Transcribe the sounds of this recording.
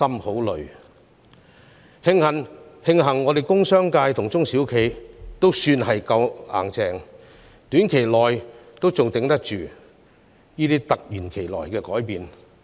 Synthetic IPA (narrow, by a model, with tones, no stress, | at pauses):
ɐ˥mho˨˥wlɵ˨˩ɥ | hɪ˧ŋhɐ˨˩nhɪ˧ŋɦɐ˨˩ŋːɔː˨˧d̪e˨jkʊ˥ŋsœː˥ŋkaː˧jt̪ʰʊ˨˩ŋt͡sʊ˥ŋsiː˨˥wkʰe˨˩jt̪o˥wsyː˧nhɐ˨jkɐ˧wa̰ː˨˩ŋt͡sɛː˨˩ŋ | t̪yː˨˥nkʰe˨˩jlɔː˨jt̪o˥wt͡sʊ˨ŋt̪ɪ˨˥ŋt̪ɐ˥k̚t͡ʃyː˨ | jiː˥t̪iː˥t̪ɐ˨k̚jyː˨˩nkʰe˨˩jlɔː˨˩jkɛː˧kɔː˨˥jpiː˨n